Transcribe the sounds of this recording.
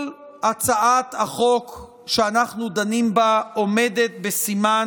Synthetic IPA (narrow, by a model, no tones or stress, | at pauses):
l | at͡saʔat̪aχo̞k | ʃeanaχnud̪animbaome̞d̪e̞t̪̚besima